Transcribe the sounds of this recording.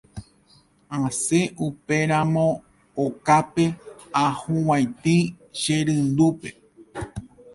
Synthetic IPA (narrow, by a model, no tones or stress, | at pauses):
ãseʔupe̞ɾãmõ | okape̞ãhũwãjt̪ĩ | ʃeɾɨnd̪upe̞